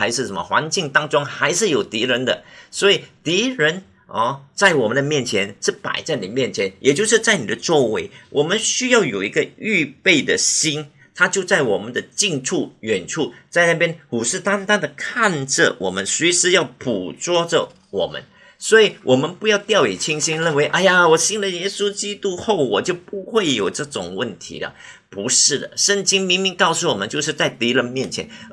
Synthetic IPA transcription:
a˧˥ɪʂɻ̩˥˩ʂə˧˥mə̰˧xwa̰˧˥nt͡ɕi˥˧ŋt̪ɑ˥ŋt͡sʊ˥ŋxa˧˥ɪʂɻ̩˥˩jo˨˩ʊt̪i˧˥ɻə˧˥nd̪ə̰˨swɔ˧˥i˨˩t̪i˧˥ɻə˧˦˥n | ɐ˥˧t͡sa˥˩ɪwɔ˨˩mə˨˦nd̪ə˧mjɛ˥˩nt͡ɕʰjɛ˧˥nʂɻ̩˥˩pa̰˨˩ɪt͡sa˥˩ɪni˨˩mjɛ˥˩nt͡ɕʰjɛ˧˥njɛ˨˩t͡ɕjo˥˧ʊʂɻ̩˥˧t͡sa˥˩ɪni˨˩d̪ə˦t͡swɔ˥˧we˥˩ɪwʔɔ˨˩mə˦nɕy˥jɑ˥˩ʊjo˨˩ʊi˧˥ɡə˧y˥˧pe˥˩ɪd̪ə˩ɕi˥n | t̪ʰa˥t͡ɕjo˥˧ʊt͡sa˥˩ɪwɔ˨˩mə˦nd̪ə˧t͡ɕi˥˧ŋʈ͡ʂʰu˥˩ɥɛ˨˩nʈ͡ʂʰu˥˧˩t͡sa˥˧ɪna˥˩pjɛ˥nxu˨˩ʂɻ̩˥˩t̪a˥ŋt̪a˥nd̪ə˨kʰa˥˧nʈ͡ʂə̰˨wɔ̰˨˩mə˦nswe˧˥ʂɻ̩˧˥jɑ˥˩ʊpu˨˩t͡swɔ˥ʈ͡ʂə̰˨˩ | wɔ̰˨˩mə̰˦n | swɔ˧˥i˨˩wʔɔ˨˩mə˦npu˧˥jɑ˥˧ʊt̪jɑ˥˩ʊɛ˨˩t͡ɕʰi˥nɕi˥nɻə˥˩nwe˧˦ɪʔa˥˩ɪja˨wɔ˨˩ɕi˥nlə˨jɛ˥su˥t͡ɕi˥t̪u˥xo˥˩ʊwɔ˨˩t͡ɕjo˥˩ʊpu˧˥xwe˥˩ɪjo˨˩ʊʈ͡ʂɤ˥˩ʈ͡ʂʊ̰˨˩ŋwə˥˩nt̪ʰḭ˧˥d̪ə̰˨ | pu˧˥ʂɻ̩˥˩d̪ə̰˩ʂə˥˩ŋt͡ɕi˥ŋmi˧˥ŋmi˧˥ŋkɑ˥˧ʊsu˥˩wɔ˨˩mə˦nt͡ɕjo˥˧ʊʂ̬ɻ̩˥˧t͡sa˥˩ɪt̪i˧˥lə˧˥nmjɛ˥˩nt͡ɕʰjɛ̰˧˦n

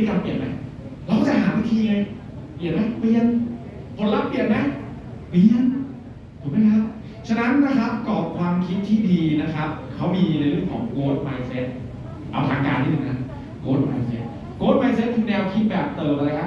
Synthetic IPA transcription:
ka˧mpi˨˩ət̪̚ma˦˥j | laː˧kɔ˥˩t͡ɕa˨˩ɦaː˩˦nwa˧˥t̪ʰiː˧ŋa˧j | pi˨˩ət̪̚ma˦˥jpi˧ən | kʰo˨˦nla˦˥pːi˨˩ət̪̚ma˦˥jpi˧ənʰ | o˨˩˦ma˧˥˦kʰa˦˥p̚ | t͡ɕʰa˧na˦˥nːa˦˥kʰa˦˥p̚kɔː˨˩p̚kʰwaː˧mkʰi˦˥t̪̚t̪ʰiː˥˩diː˧na˦˥kʰa˦˥p̚kʰa˦˥wmiː˧la˧jɾɯ˥˩ŋkʰɔː˩˦ŋkoː˦˥t̪̚maː˧jse˦˥t̪̚ | ʔa̰˧wt̪ʰaː˩˦ŋkaː˧nt̪ʰiː˦˥˩nɯ˨˩na˦˥ | koː˦˥t̪̚ma˧jse˦˥t̪̚ | koː˦˥t̪̚maː˧js̬e˦˥t̪ʰːi˧dɛː˧wkʰi˦˥t̪̚bɛː˨˩p̚t̪ɤː˨˩mʔa˧aː˧kʰa˦˥p̚

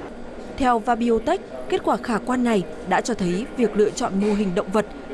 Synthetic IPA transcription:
t̪ʰɛ˧wvaː˧ɓi˧ʔo˧t̪a˦˥jk̟̚kːe˦˥t̚kwaː˧˩xaː˧˩kwaː˧nːa˨˩j | ɗa̰ː˧˥t͡ɕɔ˧t̪ʰə˨˦jvi˨˩ək̚lɨ̰˧˨ət͡ɕɔ̰˧˨nmo˧əɦï˨˩ŋ̟ɗə̰˧˨ŋ͡mvə˨˩t̚

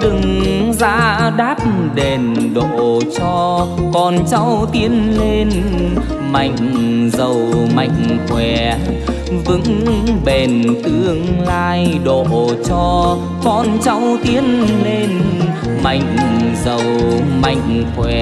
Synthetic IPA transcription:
ɗɨ˨˩ŋza̰ː˧˥ɗaː˦˥p̚ɗe˨˩nɗo˧˨t͡ɕɔ˧kɔ˨˩nt͡ɕa˧wt̪i˧˥ənle˧n | ma˨˩˨jŋ̟zə˨˩wma̰˧˨jŋ̟kwɛ˧˩ | vɨ̰˧˥ŋŋɓe˨˩nt̪ɨ˧əŋlaː˧jɗo̰˧˨t͡ɕɔ˧ | kɔ˨˩nt͡ɕa˧wt̪i˧˦ənle˧n | ma˨˩˨jŋ̟zə˨˩wma˧˩˨jŋ̟kwɛ˧˩˨

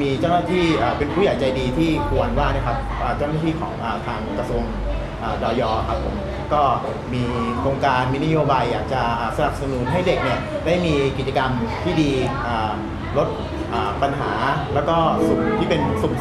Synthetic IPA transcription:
miː˧t͡ɕaː˥˩wnaː˥˩t̪ʰiː˥˩ʔaː˨˩pe˧npʰuː˥˩jaː˨˦jt͡ɕa˧jdiː˧t̪ʰiː˥˩kʰu˧ənwaː˥˩na˦˥˩kʰa˦˥p̚ | ʔaː˨˩t͡ɕa˥˩wna˥˩iː˥˩kʰɔ̰ː˩˦ŋʔaː˨˩t̪ʰaː˧ŋkɾa˧su˧əŋ | ʔaː˨˩dɔː˧jɔː˧˩kʰa˦˥pʰːo˨˩˦m | kɔː˥˩ | miː˧kʰɾoː˧ŋkaː˧nmiː˧na˦˥joː˧baː˧jːaː˨˩k̚t͡ɕa˨˩ʔaː˨˩sa˧na˨˩p̚sa˧nuː˨˦nɦa˥˩jde˨˩k̚ni˥˩ɐdaː˥˩jmiː˧ki˨˩t͡ɕa˧ka˧mt̪ʰiː˥˩diː˧ʔaː˨˩ | lo˦˥t̪̚ | ʔaː˨˩pa˧nɦaː˩˦lɛː˦˥wkɔː˥˩su˨˩mt̪ʰiː˥˩pe˧nsu˨˩m

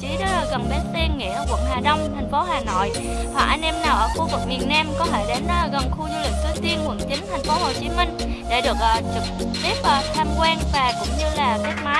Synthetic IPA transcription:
t͡ɕi˨˦ɗɔ˨˦˧ɣə˨˩nɓe˨˦tt̪i˧ənŋḭ˧˨əʔəː˧˩kwə̰˧˩nɦaː˨˩ɗə˧wŋ͡mt̪ʰa˨˩jŋ̟fo˨˦haː˨˩no̰˧˨j | hwa̰˧˩ʔa˧nʔɛ˧mnaː˨˩wʔəː˧˩xu˧vɨ˨˩k̚mi˨˩ənːaː˧mkɔ˨˦t̪ʰe˧˩jɗe˨˦n˧ɣə˨˩nxu˧zu˧lï˨˩k̚t̪ɨ˧t̪i˧ənŋwə̰˧˩nt͡ɕï˨˦ŋt̪ʰa˨˩jŋ̟fo˨˦ho˨˩t͡ɕi˨˦mï˧ŋ̟ | ɗe˧˩ɗɨ˨˩ək̚ʔəː˨˩t͡ɕɨ˨˩k̚ | t̪i˦˥əp̚ʔə˨˩t̪ʰaː˧mkwaː˧nvaː˨˩kʊ̰˧˥wŋ͡mɲɨ˧laː˨˩kɛ˦˥t̚maː˨˦

